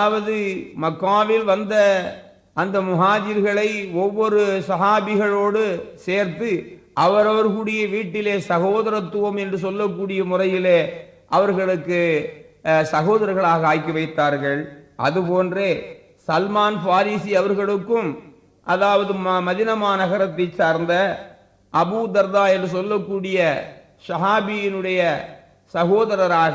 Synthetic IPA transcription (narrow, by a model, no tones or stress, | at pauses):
ʋɐðɯmɐkːaːʋɪlʋɐnd̪ɐ | ɐnd̪ɐmʊɦaːd͡ʒɪɾɣɐɭɐɪɔʋːɔɾɯsɐɦaːʋɪɣɐɭoːɽɯseːɾt̪ɯ | ʔɐʋɐɾɐʋɐɾkuːɽɪjɐʋiːʈːɪleːsɐɣoːðɐɾɐt̪ːʊʋɐmɛndrɯs̬ɔlːɐkːuːɽɪjɐmʊrɐjɪleː | ʔɐʋɐɾɣɐɭɯkːɯ | sɐɣoːðɐɾɐɾɣɐɭaːɣɐaːjkːiʋɐɪt̪ːaːɾɣɐɭʔɐ̰ðɯpoːndreː | sɐlmaːnfaːɾiːsiɐʋɐɾɣɐɭɯkːɯm | ʔɐðaːʋɐðɯmɐðɪnɐmaːnɐɣɐɾɐt̪ːɐɪsaːɾnd̪ɐ | ʔɐbuːd̪ɐɾd̪aːɛndrɯsɔlːɐkːuːɽɪjɐ | sɐɦaːbɪjɪnɯɽɐjɐ | sɐɣoːðɐɾɐɾaːɣ